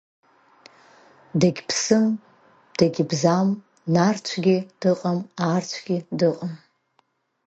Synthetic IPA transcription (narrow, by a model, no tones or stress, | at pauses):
daɡʲpʰsɨm | d̥aɡʲbzam | nart͡ʃʷʰɡʲid̥ɨqʼamart͡ɕʷʰɡʲidɨqʼam